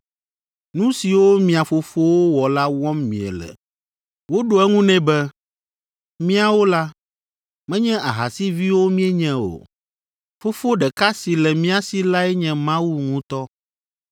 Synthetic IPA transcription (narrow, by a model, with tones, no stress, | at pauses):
nũ˦si˨wo˦mĩ˨a˨fo˨fo˦wo˦wɔ˨la˦wɔ̃˦mmḭ̃˨ɛ̰˨lɛ̰˨ | wo˦ɖo˨ɛ˦ŋũ˦nɛ̃˦bɛ˦ | mĩ˦a˨wo˦la˦ | mɛ̃˦ɲɛ̃˦a˨ɦa̰˨si˦vi˦wo˦mĩ˦ɛ˦ɲɛ̃˦o̰˨ | fo˦fo˦ɖɛ˨ka˦si˨lɛ˨mĩ˦a˨si˨la˦ɛ˦ɲɛ̃˨mã˦wu˦ŋũ˦t̪ɔ˦